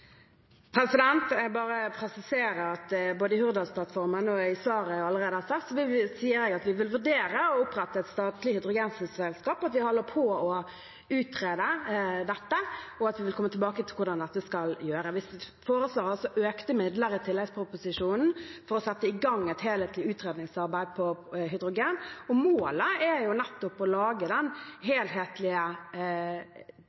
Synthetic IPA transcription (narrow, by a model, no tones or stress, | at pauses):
pʰɾɛsɪd̪ɛnt̪bɑːʁəpʰɾɛsɪseːɾəɾɑt̪boːd̪əɪhʉɾd̪ɑlsplɑt̪fɔɾmənɔɪsɑːʁəɑlːəʁeːd̪əhɑsɑkt̪sɔʋɪsiːəɾɛːɡɑt̪ʋɪʋʉlʋʉɖeːɾəɔʊpɾɛt̪ːəɛt̪st̪ɑːt̪lɪhɪd̪ɾʊɡɛnsn̩ssɛlskɑːpɑt̪ʋɪhɔlːəpʰɔɔ | ʉːt̪ʰɾeːd̪əd̪ɛt̪ːəɔɑt̪ʋɪʋɪlkʰɔmːət̪ʰlbɑːkət̪ʰɪlkʊdɑnd̪ɛt̪ːəskɑljøːɾəʋɪsfoːɾəsloːɾɑlsɔʔøːkt̪əmɪd̪ləɾɪt̪ʰɪlɛspʰɾʊpʊsɪʂuːnn̩fɔɾɔsɛt̪ːəɪɡɑŋːɛɪt̪heːlheːt̪lɪʉːt̪ɾeːd̪nɪŋsɑɾbæɪd̪̚pʰɔɦʏd̪ɾʊɡeːnɔmoːləæjʊnɛt̪ːʊpɔlɑːɡəd̪ɛnɦeːlɦeːt̪ʰlɪə